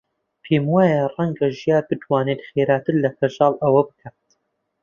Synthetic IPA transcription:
pʰeːmwaːjɛrˤɐŋɡɐʒijaːbɨt̪waːnet̪χeːɾaːt̪ʰɨɾlɐfɐʒɑːlˠʔɐwɐbɨ̥kʰat̪

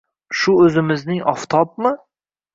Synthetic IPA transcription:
ʃʊɵzɪmɪznɪŋɒft̪ʰɒpmɪ

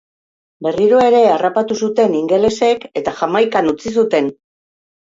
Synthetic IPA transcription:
be̞riɾoe̞ɾe̞arapat̪usut̪e̞niŋɡe̞le̞se̞ke̞t̪aʝamajkanut͡sis̬ut̪e̞n

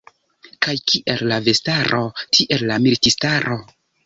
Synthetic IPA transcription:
kajkʰiʔe̞lːave̞staɾʔo̞tʰiʔe̞lːamiltistaɾʔo̞

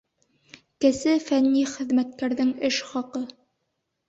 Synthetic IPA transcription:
kɘ̆sɘfænːiχɘ̆ðmæt̪̚kæɾðɘŋɘʃχɒqɤ

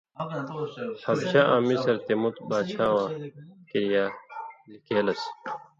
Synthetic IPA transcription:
hɐɾɕaʔãːmisɐɾt̪emut̪baːɕaːwãːkiɾjaːlikeːlɐs

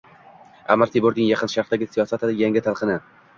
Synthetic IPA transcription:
a̰maɾt̪ʰeboɾd̪ɪŋjɑqʰɨnʃaɾχd̪aɡʲɪsijɒsat̪ʰɪd̪ɪjaŋʲɪt̪ʰalˠqʰɨnɪ

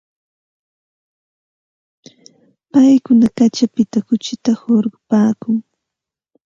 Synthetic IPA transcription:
pajkʊnakat͡ʃapɪt̪akʊt͡ʃɪt̪ahoɾɢʊpaːkʊŋ

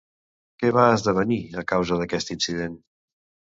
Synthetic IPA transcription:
kɛβaəzðəβ̞əniəkawzəðəkɛst̪insiðen

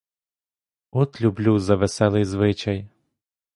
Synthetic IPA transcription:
ɔt̪lʲublʲuwzɐʋesɛlˠɪjzʋɪt͡ʃɐj

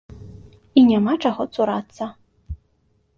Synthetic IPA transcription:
inʲamat͡ʂaɣɔt̪suɾat̪sːɐ

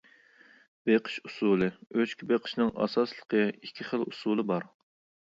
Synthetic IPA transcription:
b̥eqʰə̥ʃu̥suːlˠɨøt͡ʃkʲibeqʰə̥ʃnɨŋʔɑ̰sɑslˠə̥qʰəikʲʰːiχəlusulˠɨbɑɾ

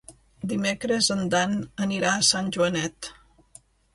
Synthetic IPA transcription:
d̪imekɾəzənd̪anəniɾaːsanʲʒuənɛt̪

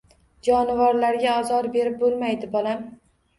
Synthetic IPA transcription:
d͡ʒɒnɪvɒɾlaɾɡʲaɒzɒɾbe̞ɾɪp̚bolˠmajd̪ɪbɒlam

